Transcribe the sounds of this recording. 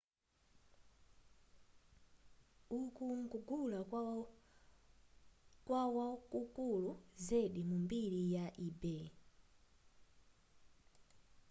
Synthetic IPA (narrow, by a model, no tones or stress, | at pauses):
ukuŋɡuɡula | kwawakukuluzɛɗimumbiɾijaʔibɛ